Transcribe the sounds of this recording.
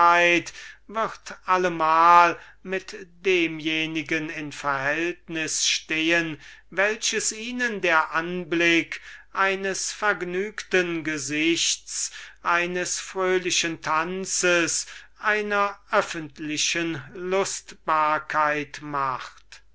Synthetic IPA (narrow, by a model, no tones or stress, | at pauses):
aɪtvɪʁtʔaləmaːl | mɪtd̥eːmjeːnɪɡənɪnfɛɐhɛltnɪsʃteːənvɛlʃəsiːnəndeːɐʔanblɪkʔaɪnəsfɛɐɡnyːktənɡəzɪçtsʔaɪnəsfʁ̥øːlɪʃəntʰant͡səs | ʔaɪnɐʔœfəntʰlɪʃənlʊstb̥aːɐkʰaɪtmaχt